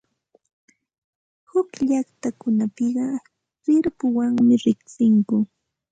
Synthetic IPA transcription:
hʊkʎaχt̪akʊnapɪɢɑ | sɪɾpʊwaŋmɪɾɪksɪŋkʊ

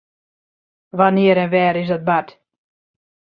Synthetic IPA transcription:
ʋanɪəɾɛnʋɛːɾɪs̬dɔt̚bat

